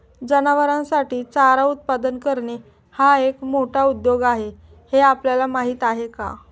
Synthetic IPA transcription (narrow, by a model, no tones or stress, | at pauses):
d͡ʑənaʋəɾãsaʈiːt͡saɾaut̪̚pad̪ənkəɾɳe | haekmoʈʰaud̪joɡaɦe | heapljalamaɦiːt̪aɦeka̰